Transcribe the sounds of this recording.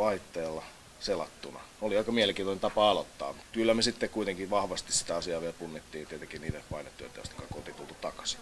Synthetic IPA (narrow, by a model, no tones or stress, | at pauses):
ɑit̪ːeːlːɑ | selɑ̰t̪ːunɑ̰oliɑikɑmiæleŋkiːnt̪onent̪ɑpɑɑlo̰t̪ːɑ̰ːmut̪kylːæmesit̪ːekkuit̪eŋkiʋʋɑhʋɑst̪issi̥t̪æɑsiɑːʋieælpunːit̪ːiːnt̪iet̪eŋkinniːt̪epɑinet̪ːuḛt̪æjost̪ɑ̥kɑkot̪it̪ult̪ut̪ɑkɑ̥si̥